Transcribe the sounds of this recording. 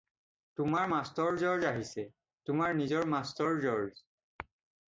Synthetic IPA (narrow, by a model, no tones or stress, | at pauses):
tʊmaɹmastɔɹzɔɹzaɦisɛ | tʊmaɹnizɔɹmastɔɹzɔɹz